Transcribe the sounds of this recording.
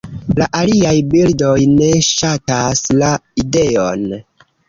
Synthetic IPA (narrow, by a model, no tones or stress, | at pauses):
laʔaliajbildo̞jne̞ʃataslaide̞o̰n